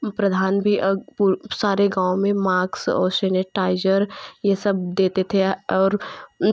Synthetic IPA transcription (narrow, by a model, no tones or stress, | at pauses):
pɾɐd̪ʱaːnbʱipusaːɾeɡãːomẽmaːksɔ̰ːɾseːneʈaːɪd͡ʒəɾjesɐbd̪eːt̪et̪ʰeɔːɾ